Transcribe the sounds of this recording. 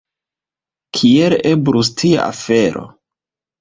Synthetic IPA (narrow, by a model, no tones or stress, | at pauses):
kʰiele̞bɾus̬tʰia̰ʔa̰fe̞ɾo̞̰